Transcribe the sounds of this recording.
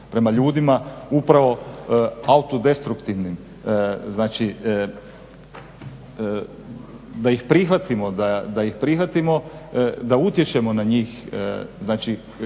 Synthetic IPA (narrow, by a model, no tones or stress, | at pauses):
pɾe̞maʎuːd̪imaupɾaʋo̞ | aut̪od̪e̞st̪ɾukt̪iʋnim | znaːt͡ʃi | d̪ajixpɾixʋat̪imo̞d̪ad̪ajixpɾixʋat̪imo̞d̪aut̪jet͡ʃe̞mo̞naɲiːxznaːt͡ʃi